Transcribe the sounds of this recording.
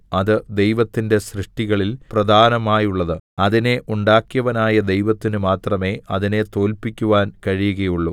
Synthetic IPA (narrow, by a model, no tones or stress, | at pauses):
ɐðɨd̪e̞jʋɐt̪ːinde̞ɕrɨʂʈiɣɐɭilprɐd̪ʱaːnɐmaːjuɭːɐðɨɐðine̞ʔuɳɖaːkjɐʋɐnaːjɐd̪e̞jʋɐt̪ːinumaːt̪rɐme̞ːɐðine̞t̪o̞ːlpikʲːuʋaːnkɐɻijuɣɐjuɭːu